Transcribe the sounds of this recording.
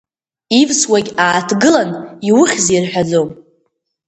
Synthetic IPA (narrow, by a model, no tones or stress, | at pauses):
ivswaɡʲaːtʰɡɨlaniwʊχʲzirħʷᶣad͡zom